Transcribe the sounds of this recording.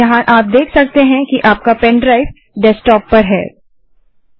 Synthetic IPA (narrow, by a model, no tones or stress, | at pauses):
ɐɦãʔaːp̚d̪eːkʰsɐk̚t̪eɦɛ̃kiʔaːp̚kapɛ̃ɳɖɾaɪf | ɖɛsʈɔːpːɐɾɦɛ̰ː